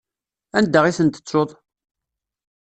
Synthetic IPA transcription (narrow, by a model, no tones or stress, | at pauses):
ænd̪ːəʁisənt̪ə̥t͡sːoðˤ